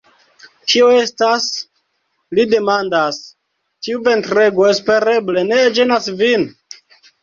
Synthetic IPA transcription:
t͡ʃio̞e̞stas | lide̞mandas | tiuve̞ntɾe̞ɡo̞espe̞ɾe̞ble̞ne̞d͡ʒenasvin

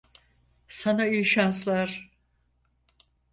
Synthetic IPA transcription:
sanaiʃanslˠaɾ̥

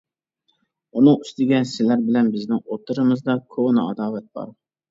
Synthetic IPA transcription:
unɨŋyst̪ɪɡʲɛsɪlæɾbɪlɛnbɪznɪŋot̪ʰɨɾɨmɨzd̪ɑkʲʰonɨɑ̰d̪ɑːvɛt̪̚b̥ɑ̰ɾ

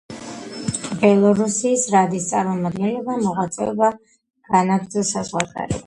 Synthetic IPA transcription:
bɛlˠɔɾusiːsɾad̪ist̪sʼaɾmɔmad̪̚ɡɛnlɛbamɔʁat̪sʼɛɔba | ɡ̥anaɡɾd̪zɔsazʁwak̪ʼa̰ɾḭ

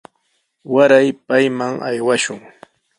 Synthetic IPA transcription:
waɾajpajmaŋa̰jwaʃʊŋ

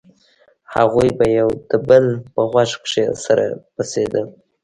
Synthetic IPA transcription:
ha̰ɣujbajawd̪̥əbəlpəɣwaʂkʂesaɾa̰pased̪ə

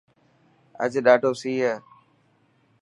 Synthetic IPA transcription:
ə̰d͡ʒɗaːʈoːsiːɦɛː

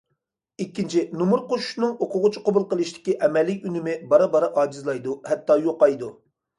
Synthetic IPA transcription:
ikʲːint͡ʃʰinumuɾqoʃu̥ʃnɨŋoqʰʊʁʊt͡ʃʰiqobulˠqəlˠɨʃt̪ɪ̥kʲiʔɛmɛlːɪkʲynɪmɪbɑɾɑbɑɾɑʔɑːd͡ʒizlˠɑjd̪uhɛt̪ːɑːjoqɑjd̪u

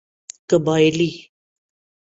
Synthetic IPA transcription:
kəbajli

